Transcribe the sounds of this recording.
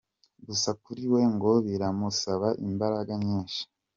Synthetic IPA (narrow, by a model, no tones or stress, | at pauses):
ɡusakuɾiwe̞ŋɡo̞βiɾamusaβaʔimbaɾaɡaɲeːnʃi̥